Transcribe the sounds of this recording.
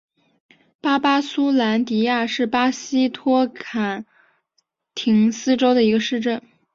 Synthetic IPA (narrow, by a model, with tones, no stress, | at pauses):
pa˥pa˥su˥la˧˥nt̪i˧˥ja˥˧ʂɻ̩˥˩pa˥ɕi˥t̪ʰwɔ˥kʰa˨˩n | t̪ʰi˧˥ŋsɹ̩˥ʈ͡ʂo˥ʊd̪ə˨i˧˥ɡə˧ʂɻ̩˥˧ʈ͡ʂə˥˩n